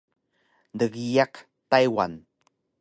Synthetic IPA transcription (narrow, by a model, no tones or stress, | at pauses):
dəɣijaq | tajwa̰n